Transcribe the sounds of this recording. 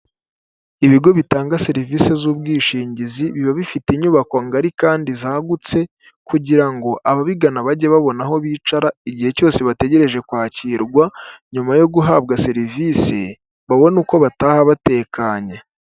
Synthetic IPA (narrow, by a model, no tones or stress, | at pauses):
iβiɡo̞βitaːŋɡase̞ɾiviːse̞zuːb̚ɡiːʃiːɲɟiziβiβaβifiteiɲuβakaŋɡaɾikaːndizaːɡut͡se̞ | kuɟiɾaŋɡo̞ʔaβaβiɡanaβaɟeβaβo̞naɦo̞βiːt͡ʃaɾaiɟihe̞co̞ːse̞βate̞ɟe̞ɾe̞ʒe̞kwaːciːɾɡwaɲumajo̞ɡuɦaːb̚ɡase̞ɾivise̞̰ | βaβonuːko̞βataːhaβate̞ːkʰaːɲe